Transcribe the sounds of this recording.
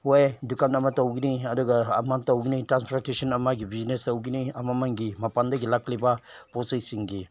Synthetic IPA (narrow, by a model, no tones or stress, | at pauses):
wajdukanɐmatɐwɡiniɐduɡɐːmantɐwɡinitɾanspʰɾaɾtesɔnɐmaɡibiznestɐwɡiniɐmamaŋɡimapandɐɡilaklibaposejsiŋɡi